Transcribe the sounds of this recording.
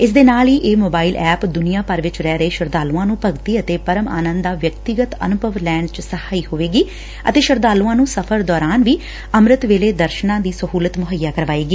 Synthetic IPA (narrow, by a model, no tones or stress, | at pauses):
ɪs̬d̪eːnaːliːʔeːmoːbaːilʔɛːpd̪ʊnijãːpəɾʋɪt͡ʃɾɛːɾəeːʃəɾd̪aːluːãːnũːpəɡt̪iːət̪eːpəɾəma̰ːnə̃nd̪d̪aːʋjək̚t̪ɪɡət̪ə̰nʊbʱəʋlɛːɳɖt͡ʃsəhaːiːhoːʋeːɡiː | ə̰t̪eːʃəɾd̪aːlũːãːnũːsəpʰəɾd̪ɔːɾaːnʋiː | əmɾɪt̪ʋeːleːd̪əɾʃnãːd̪iːsəɦuːlət̪mʊɦəjːaːkəɾʋaːeːɡiː